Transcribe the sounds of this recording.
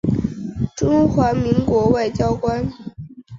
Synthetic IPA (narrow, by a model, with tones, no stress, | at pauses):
ʈ͡ʂʊ˥ŋxwa˧˥mi˧˥ŋkwɔ˧˥wa˥˩ɪt͡ɕjɑ˥ʊkwa˥n